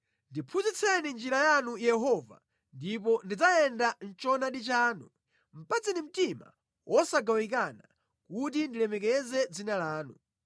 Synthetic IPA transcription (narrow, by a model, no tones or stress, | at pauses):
ndipʰuzit͡sʰɛnind͡ʒiɾajanujɛɦɔva̰ | ndip̬ɔndid͡zajɛndan̩t͡ʃɔnaɗit͡ʃaːnu | m̩pad͡zinim̩tima̰ | wʔɔsaɡawik̬ana̰ | kut̬indilɛmɛk̬ɛzɛd͡zinalaːnu